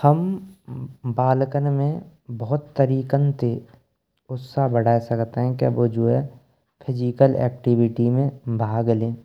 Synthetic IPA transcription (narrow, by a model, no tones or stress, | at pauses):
həm | baːlkənmẽbəɦʊt̪ːəɾiːkənt̪e | ʊsabəɽaːesɐkt̪eɦɛ̃keɐ̰bod͡ʒoːɛ | pʰɪd͡ʒiːkəlɛ̰ːkʈiʋɪʈimẽbʱaːɡlẽː